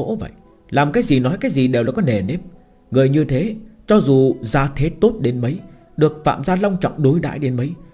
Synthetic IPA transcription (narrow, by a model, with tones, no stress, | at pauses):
o̰˧˥və̰˧˨j | laː˨˩mkaː˨˦jzi˨˩nɔ˨˦jkaː˨˦jzi˨˩ɗe˨˩wlaː˨˩kɔ˨˦ne˨˩ne˦˥p̚ | ŋɨ˨˩əjɲɨ˧t̪ʰe˨˦t͡ɕɔ˧zu˨˩zaː˨˧t̪ʰe˨˦t̪o˦˥t̚ɗe˨˦nmə˨˦j | ɗɨ˨˩ək̚fa̰ː˧˨mzaː˧la˧wŋ͡mt͡ɕɔ̰˧˨wŋ͡mɗo˨˦jɗa̰ː˧˨jɗe˨˦nmə˨˦j